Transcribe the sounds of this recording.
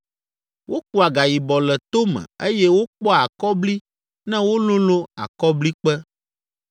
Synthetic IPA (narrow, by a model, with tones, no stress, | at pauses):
wo˦k͡pu˨a˨ɡa˨ji˨bɔ˨lɛ˨t̪o˦mɛ̰̃˨e˦jɛ˦wo˦k͡pɔ˦a˨kɔ˦bli˦ | nɛ̃˦wo˦lũ˦lo˦a̰˨kɔ˦bli˦k͡pɛ˦